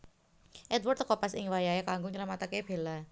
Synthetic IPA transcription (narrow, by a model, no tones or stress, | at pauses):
ʔɛd̪wart̪kɔpasɪŋwajaakaŋɡʊɲəɾəmat̪akeb̥e̤la